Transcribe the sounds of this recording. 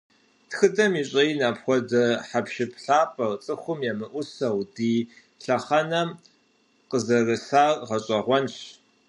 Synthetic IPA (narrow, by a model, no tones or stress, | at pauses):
txɨdɐmiːɕʼɐjnaːpxʷɔdɐħapʃɪpʰɬaːpʰʼɐrt͡sʼɨxʷʊmjɛmɨʔʷʊsɐwdiː | ɬɐχɐnɐm | qəzɐrɨsaːrʁɐɕʼɐʁʷɔnɕ